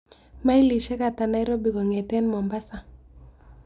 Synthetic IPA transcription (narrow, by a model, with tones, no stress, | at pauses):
ma˦i˦li˨ʃɛ˦ka˨ta˨na˨˦i˦ɾo˦bi˨kɔ˨ŋɛ˨tɛ˦nmɔ˨mba˦sa˨